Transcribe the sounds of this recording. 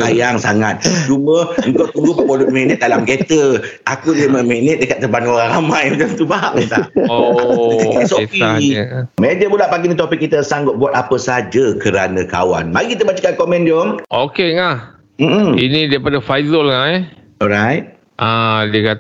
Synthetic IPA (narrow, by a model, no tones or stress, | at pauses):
ajaŋsaŋat̪̚t͡ʃumə̃əŋ̩kawt̪uɡupəpɔlut̪̚mɛnɛt̪̚dalamɡet̪əʔakudiəməmɛnɛt̪̚dəkat̪̚ːəbanoɾaŋɾamãjmət͡ʃamt̪ubaɦaʔt̪aʔoksosiamɛ̃nd͡ʒəbulaʔpaɡinĩt̪ɔpikːit̪əsaŋɡʊt̪̚buat̪̚apəsəad͡ʒakəɾanə̃ka̰wa̰nmaɡikit̪əbat͡ʃəkankɔmɛ̃ndomʔokeŋa | m̩m̩inidaipadafajzəlŋaʔɛ | ɔɾajt̚ | ʔadiəkat̪